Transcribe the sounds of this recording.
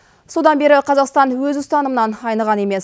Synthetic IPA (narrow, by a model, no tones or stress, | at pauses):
so̞d̪ɑnbe̞ɾɪqʰɑzɑqst̪ɑnwɵzʊst̪ɑnəmənɑnɑjnəʁɑne̞me̞s